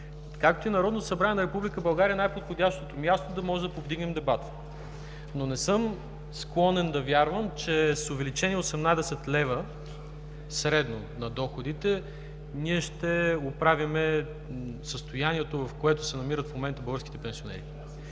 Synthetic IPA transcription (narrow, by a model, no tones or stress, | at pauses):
kak̚t̪oinɐɾɔd̪not̪osɐbɾaniɛnɐɾɛpublikəbɐlˠɡaɾʲiəɛnajpot̪xod̪ʲaʃt̪ot̪omʲjast̪od̪ɐmɔʒɛd̪ɐpovd̪iɡnɛmd̪ɛbat̪ə̥ | nonɛsɤm | sklˠɔnɛnd̪ɐvʲjaɾvəmt͡ʃɛsovɛlit͡ʃɛniɛosɛmnad̪ɛsɛt̪lɛvə | sɾɛd̪no | nɐd̪ɔxod̪it̪ɛ | niɛʃt̪ɛopɾavʲimɛ | səst̪ojaniɛt̪ovɐfkoɛt̪ʊsɛnɐmiɾət̪fmomɛnt̪əbəlˠɡəɾskʲi̥t̪ɛpɛnsionɛ̰ɾi